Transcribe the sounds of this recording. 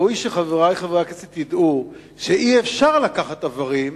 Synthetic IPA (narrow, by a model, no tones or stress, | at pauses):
ujʃeχaveʁajχavaket͡sit̪id̪u | ʃeʔiefʃaʁlakaχat̪avaʁim